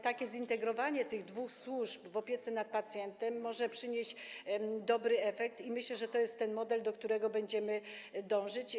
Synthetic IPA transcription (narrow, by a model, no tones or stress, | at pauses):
t̪akʲɛzint̪ɛɡɾɔvaɲɛt̪ɘɣd̪vuxswuʐpvɔpʲjet̪sɛnat̪̚pat̪sʲjɛnt̪ɛmːɔʐɛpʂɘɲeʑd͡ʑd̪ɔbɾɘɛfɛk̚t̪imɘɕlɛʐɛt̪ɔjɛst̪ːɛnmɔd̪ɛld̪ɔk̚t̪uɾɛɡɔbɛɲd͡ʑɛmɘd̪ɔ̃w̃ʐɘt͡ɕ